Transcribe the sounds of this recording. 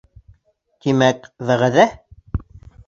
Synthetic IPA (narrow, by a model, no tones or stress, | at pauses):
k̪imækðæʁæðæ